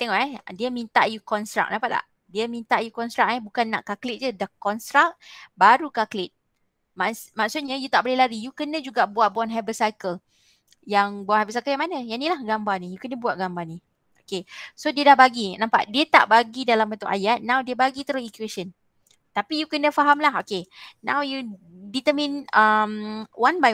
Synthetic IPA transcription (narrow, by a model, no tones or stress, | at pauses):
t̪ɛŋɔʔɛdiəmint̪a̰ʔjukɔnst̪ɾa̰k̚nãmpaʔ̪la̰ʔ | diəmint̪aʔjukɔnst̪ɾak̚ɛbukanːa̰ʔkaklɪt̪̚d͡ʒudakɔnst̪ɾak̚baɾukaklɪt̪̚ | mamaksʊt̪̚ɲəjut̪aʔbəlehlaɾijukənə̃d͡ʒuɡaʔbuat̪̚bɔnɦabəsajkəl | jaŋbɔnhabəsajkəljãŋmanə̃jaʔnilahɡambanĩjukənə̃buat̪̚ɡambani | ʔokesodiədahbaɡinãmpa̰ʔdiət̪a̰ʔbaɡidalambənt̪ʊʔajat̪̚nãwdiəbaɡit̪əɾosikuesən | t̪apijukənə̃faɦamlaɦokenã̰wju | dit̪əmĩnəmwanba